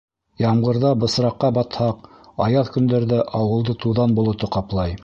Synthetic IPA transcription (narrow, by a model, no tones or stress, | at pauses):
jɑmʁɤ̆ɾðɑbɤ̆sɾɑqːɑbɑt̪hɑq | ɑjɑðkɵ̆nd̪æɾðæʔɑwɤ̆lˠd̪ɤt̪uðɑnbŭlˠɤ̆t̪ɤqɑplˠɑj